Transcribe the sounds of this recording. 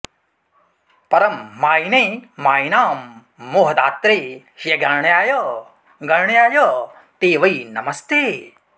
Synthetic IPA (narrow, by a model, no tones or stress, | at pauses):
pɐɾɐmːaːjineːmaːjnaːmː | oːɦɐd̪aːt̪ɾeː | hjɐɡɐɾɳjaːjɐ | ɡɐɾɳjaːjɐ | t̪eːʋɐjnɐmɐst̪eː